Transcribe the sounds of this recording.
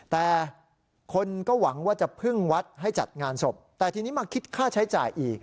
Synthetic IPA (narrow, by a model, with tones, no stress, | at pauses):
t̪ɛː˨˩ | kʰo˧nkɔː˥˩wa˩˦ŋwaː˥˩t͡ɕa˨˩pʰɯ˥˩ŋwa˦˥t̪̚ɦa˥˩jt͡ɕa̰˨˩t̪̚ŋaː˧nso˨˩p̚t̪ɛː˨˩t̪ʰiː˧ni˦˥maː˧kʰi˦˥t̪̚kʰaː˥˩t͡ɕʰa˦˥jt͡ɕaː˨˩jʔiː˨˩k̚